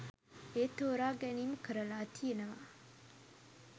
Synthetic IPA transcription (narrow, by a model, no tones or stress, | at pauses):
eːt̪oːɾaːɡɛniːməkəɾɐlaːt̪ʰienɐʋa̰